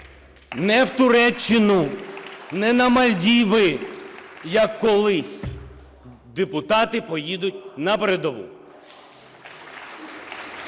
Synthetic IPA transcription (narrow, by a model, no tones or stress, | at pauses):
nɛwt̪ʊɾɛt͡ʃːɪnʊ | nɛnɐmɐlʲdʲiʋɪ | jɐkːɔlˠɪsʲ | d̪epʊt̪ɑt̪ɪpɔjid̪ʊtʲnɐpɾed̪ɔʋṵ